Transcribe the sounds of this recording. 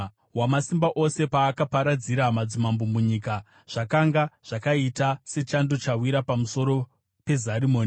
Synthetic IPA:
wamasimbaʔo̞se̞paːkapaɾad͡ziɾamad͡zimambomuɲiːka | ʐ̥akaŋɡaʐ̥akaitase̞t͡ʃando̞t͡ʃawiɾapamuso̞ɾo̞ | pe̞zarimoːni

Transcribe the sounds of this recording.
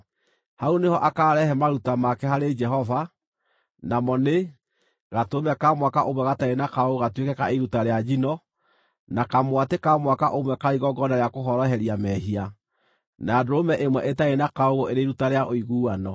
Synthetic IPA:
haunehɔʔakaːɾɛhɛmaɾutamakɛhaɾed͡ʒɛɦɔva | namɔne | ɣatomɛkamwakaʔomwɛɣataenakaoɣoɣatwekɛkaeɾutaɾead͡ʒinɔ | nakamwatekamwakaʔomwɛkaɾiɣɔɡɔnaɾejakoɦɔɾɔɦɛɾiamɛɦia | nadɾomɛʔemwɛʔetaenakaoɣoʔeɾeiɾutaɾeaʔoiɣuːanɔ

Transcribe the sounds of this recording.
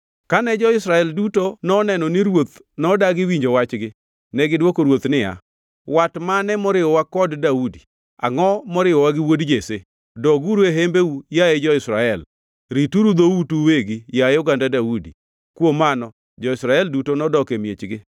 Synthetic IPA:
kanɛd͡ʒɔɪsɾaɛldutonɔnɛnɔnɪɾwot̪ | nɔdaɡɪwiɲd͡ʒowat͡ʃɡɪ | nɛɡɪdwokoɾwot̪nɪja̰ | watmanɛmɔɾɪɔwakɔddaudi | a̰ŋɔmɔɾɪɔwaɡɪwodd͡ʒese | dɔɡuɾeɦembeujaɛd͡ʒɔɪsɾaɛl | ɾituɾud̪outuweɡijajʊɡandadaudḭ | kwomanɔ | d͡ʒɔɪsɾaɛldutonɔdɔkemjet͡ʃɡɪ

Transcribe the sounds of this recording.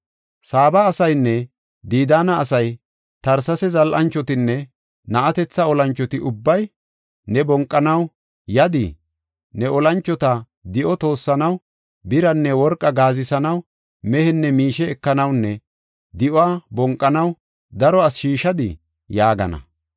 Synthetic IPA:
saːbɐːsɐjnːɛ | d̪iːd̪aːnɐːsɐj | t̪ɐɾsɐsɛzɐlʔɐnt͡ʃːɔt̪ɪnːɛ | nɐʔɐt̪ɛt͡sːɐɔlɐnt͡ʃːɔt̪ɪʔʊbːɐj | nɛbɔŋkʼːɐnɐw | jɐd̪ɪ̰ | nɛɔlɐnt͡ʃːɔt̪ɐ | d̪ɪʔɔt̪o̞ːsːɐnɐw | bɪɾɐnːɛwɔɾkʼːɐɡaːzɪsɐnɐw | mɛhɛnːɛmiːʃɛːkːɐnɐwnːɛ | d̪ɪʔwaːbɔŋkʼːɐnɐw | d̪ɐɾɔɐsʃiːʃɐd̪ɪ̰ | jaːɡɐ̰nɐ̰

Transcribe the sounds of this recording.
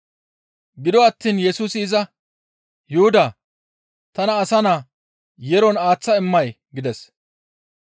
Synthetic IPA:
ɡɪd̪ɔɐt̪ːiːnjɛsuːsɪɪzɐ | jʊhʊd̪ɐ | t̪ɐnɐːsɐnaː | jɛɾɔnaːt͡sːɐɪmːɐj | ɡɪd̪ɛs

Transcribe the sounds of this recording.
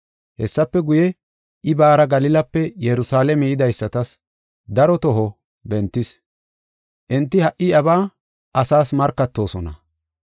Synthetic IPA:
hɛsːɐpːɛɡʊjɛ | ʔɪbaːɾɐɡɐlɪlɐpːɛjɛɾʊsaːlɛmɛjɪd̪ɐjsːɐt̪ɐs | d̪ɐɾɔt̪ɔɦɔ | bɛnt̪ːɪs | ʔɛnt̪ːɪhɐʔːɪɐbaː | ʔɐsaːsmɐɾkːɐt̪ːo̞ːsɔnɐ̰

